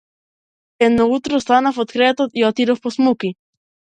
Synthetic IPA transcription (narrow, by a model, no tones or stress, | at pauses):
enːout̪ɾost̪anafot̪kɾet̪ot̪iat̪iɾoposmuki